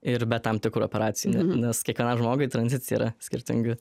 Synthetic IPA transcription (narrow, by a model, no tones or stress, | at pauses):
ɪɾbʲɛt̪ːɐmt̪ʲɪkɾuopʲɛɾɑːt̪sʲɪjunʲɛnʲɛskʲiɛkʋʲiɛnɐmʒmoːɡɐɪt̪ɾɐnʲzʲɪt̪sʲɪjɛ̰iɾɐsʲkʲɪɾʲt̪ʲɪ̰ŋʲɡʲɪ